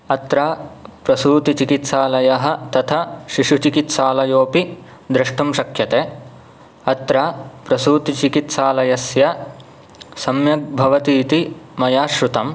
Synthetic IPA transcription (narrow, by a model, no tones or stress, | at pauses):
ɐt̪ɾaːpɾɐsuːt̪it͡ʃikit̪saːlɐjɐɦɐ̆t̪ɐt̪ʰɐʃiʂut͡ʃikit̪saːlɐjoːpi | d̪ɾɐʂʈumʃɐkʰjɐt̪eː | ɐt̪ɾaːpɾɐsuːt̪it͡ʃikit̪saːlɐjɐsjɐ | sɐmjɐk̚bʱɐʋɐt̪iːt̪imɐjaːʃɾut̪ɐm